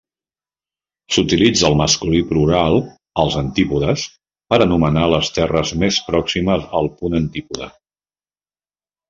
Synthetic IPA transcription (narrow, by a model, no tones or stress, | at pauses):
sut̪ilid͡zəlˠməskulipluɾalˠ | əlˠzənt̪ipuðəs | pəɾənumənaləst̪ɛrəzmespɾɔksiməzəlˠpunənt̪ipuðə̰